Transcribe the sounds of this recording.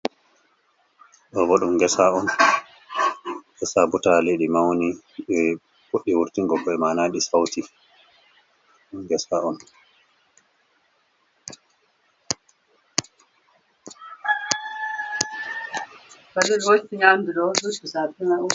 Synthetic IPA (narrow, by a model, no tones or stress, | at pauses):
ɗɔbɔɗumɡɛsaɔn | ɛsabutaleɗimawni | ɓɛ | foɗːiwuɾtiŋɡɔbɔɛmanaɗisawti | ɗumɡɛsaɔn | badɛlwotːiɲanduɗɔduɗisapinau